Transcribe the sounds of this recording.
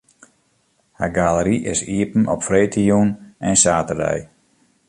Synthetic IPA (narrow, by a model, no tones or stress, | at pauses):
ha̰ɡaləɾiʔɪ̰siəpn̩ʔɔpfreːtʰijunɛnsaːtərdɛ̰j